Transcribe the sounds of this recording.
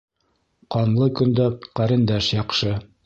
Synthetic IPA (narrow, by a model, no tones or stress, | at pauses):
qɑnlˠɤkɵ̆nd̪æqæɾɘ̆nd̪æʃjɑqʃɤ